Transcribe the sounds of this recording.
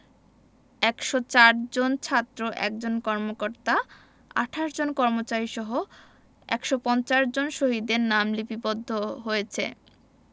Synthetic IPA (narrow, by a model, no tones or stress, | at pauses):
ɛkʃot͡ɕaɾd͡ʑont͡ɕʰat̪ːɾoʔɛ̰k̚d͡ʑonkɔɾmokoɾt̪a | a̰ʈʰaʃd͡ʑonkɔɾmot͡ɕaɾiʃɔɦo | ɛ̰kʃopɔnt͡ɕaʃd͡ʑonʃoɦid̪eɾnamlipipod̪ʱːoɦojet͡ɕʰḛ